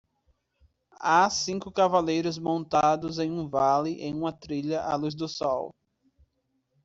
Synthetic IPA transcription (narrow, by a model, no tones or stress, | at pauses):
asĩŋkʊkavalejɾʊzmõnt̪ad̪ʊzẽj̃ũvalɪʔẽj̃ũmɐt̪ɾiʎɐʔaluz̬d̪ʊsɔw